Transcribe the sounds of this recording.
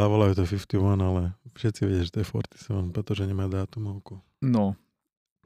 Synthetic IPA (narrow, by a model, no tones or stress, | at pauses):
aːʋalaut̪ɔfift̪iwanalɛfʃɛt̪t͡siʋɛ̰ɟiaʒɛt̪ɔjɛfɔ̰ɾt̪i̥sɛɔnpɾɛt̪ɔʒɛɲɛmaːd̪aːt̪umɔʊku | nɔ